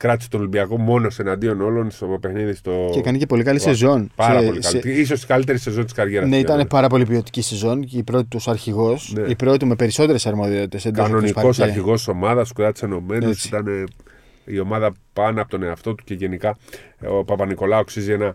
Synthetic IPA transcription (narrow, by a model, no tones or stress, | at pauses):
kɾɐt̪i̥set̪olimbiɐko̞mo̞nose̞nɐnd̪io̞no̞lo̞nst̪opexniðist̪o̞ekɐnice̞po̞likɐlisezo̞npɐɾɐoliɐlis̬o̞st̪i̥kɐlit̪e̞ɾise̞zo̞nt̪iskɐɾʝeɾɐnsneit̪ɐnepɐɾɐp̬o̞lipio̞t̪i̥cisezo̞nipɾo̞t̪it̪uosɐɾçiɣo̞sneipɾo̞t̪ume̞pe̞ɾiso̞t̪e̞ɾesɐɾmo̞ðio̞t̪it̪esend̪anonipɐko̞sɐɾçiɣo̞st̪i̥somɐðɐskuðɐt̪ise̞no̞me̞nosit̪ɐne | io̞mɐðɐpɐnɐpot̪o̞ne̞ɐft̪o̞t̪u̥ceʝe̞nikɐopɐpɐniko̞lɐoksizienɐ